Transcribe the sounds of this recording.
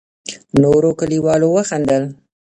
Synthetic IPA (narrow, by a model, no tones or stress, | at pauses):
noɾokəliwɑlowəxand̪əl